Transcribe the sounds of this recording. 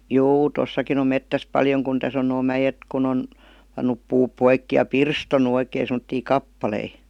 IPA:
juː tosːɑkin om metːæs pɑljoŋ kun tæs on noː mæjet kun on pɑnːup puːp poikːi jɑ pirstonu oikeː semə̆tːiː kɑpːɑlei

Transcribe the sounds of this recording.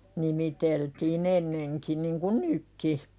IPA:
nimiteltiːn enːeŋki niŋku nykːi

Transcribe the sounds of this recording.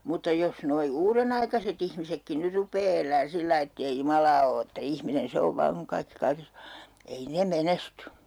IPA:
mutːɑ jos noi uːrenɑikɑset ihmisekːi nyr rupˑeː elˑæːn silːɑi etːei jumɑlɑː o etːæ ihminen se oʋ ʋɑːŋ kuŋ kɑikːi kɑikes o ei ne menesty

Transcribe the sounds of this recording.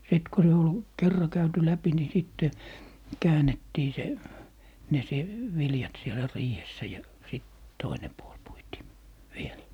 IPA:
sit ku se ol kerːɑ kæyty læpi ni sitːe kæːnetːiː se ne se ʋiljɑt sielæ riːhesːæ jɑ sit toine puol puitiː ʋiel

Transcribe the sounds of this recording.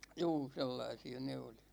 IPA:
juː selːɑisiɑ ne oli

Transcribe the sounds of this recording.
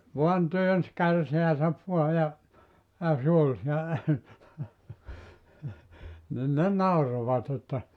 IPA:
ʋuɑn tyøns kærseæsæʋ ʋuɑ jɑ jɑ sĕ ol sielæ nin ne nɑuroʋɑt etːæ

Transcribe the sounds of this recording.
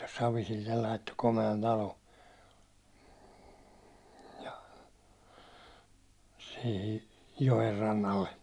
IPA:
sɑʋisilːel lɑitːo komeɑn tɑlo jɑ sihi joerːɑnːɑlːe

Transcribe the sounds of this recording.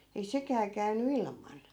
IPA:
ei sekæː kæynːy ilmɑn

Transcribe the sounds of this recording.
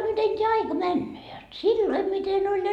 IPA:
miten tʲeæ ɑikɑ mænːøː jot silːoi miten olʲ jɑ

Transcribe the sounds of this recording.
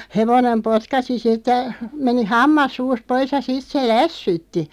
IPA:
heʋonem potkɑsi sitːə meni hɑmːɑs suːst pois jɑ sit se læsːytːi

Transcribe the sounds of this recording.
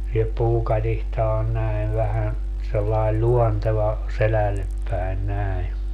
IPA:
jɑ puːkɑtihtɑ on næi̯ʋ ʋæhæn selːɑil lʲuonteʋɑ selælːep pæin næi

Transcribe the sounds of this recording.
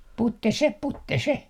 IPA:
putːe se putːe se

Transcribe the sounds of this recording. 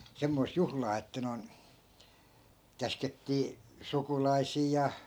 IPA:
semːoi̯st̆ juhlɑː etːæ noi̯n kæsketːiː sukulɑi̯siː jɑ

